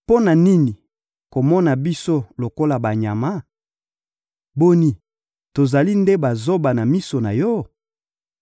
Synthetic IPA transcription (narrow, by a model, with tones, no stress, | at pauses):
po˦na˨ni˦ni˨ | ko˨mɔ˦na˨bi˦so˦lo˨ko˦la˨ba˨ɲa˨ma˦ | bo˦ni˦ | to˨za˨li˦nde˦ba˨zo˦ba˨na˨mi˦so˨na˨jɔ˦